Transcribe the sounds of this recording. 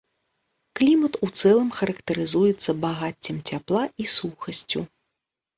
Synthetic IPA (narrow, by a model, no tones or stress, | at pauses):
klʲimɐt̪ut̪sɛlˠɐmxɐɾɐkt̪ɐɾɨzujɛt̪sːɐbaɣat͡sʲːimt͡sʲaplˠaisuxɐsʲt͡sʲu